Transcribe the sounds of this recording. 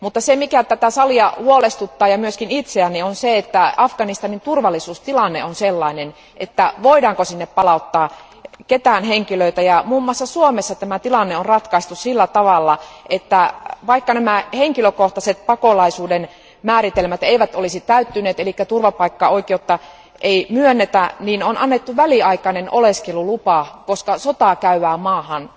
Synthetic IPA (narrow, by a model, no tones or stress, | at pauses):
mut̪ːɑsemikæt̪æt̪æsɑliɑhuolest̪ut̪ːɑːjɑmyøskinit̪seænːionseet̪ːæɑfɡ̥ɑnist̪ɑnint̪urʋɑlːˑisuːst̪ilɑnːeonselːɑinen | ʔet̪ːæʋoidɑːŋkosinːeppɑlɑut̪ːɑː | ket̪æːnheŋkiløit̪æjɑmuːmːuɑsːɑsuomesːɑt̪æmæt̪ilɑnːeonrɑt̪kɑist̪ussilːæt̪ɑʋɑlːɑʔet̪ːæʋɑikːɑnæmæheŋkiløkoht̪ɑset̪̚pɑkolɑisuːden | mæːɾit̪elmæt̪eiʋæt̪olisit̪æyt̪ːyneːt̪elikːæt̪urʋɑpɑikːɑoikeːjot̪ːɑ | ʔeimyønːet̪æniːnonɑnːet̪ːuʋæliɑikɑneno̰leskelulupɑkoskɑsot̪ɑkæyʋæːmɑːhɑn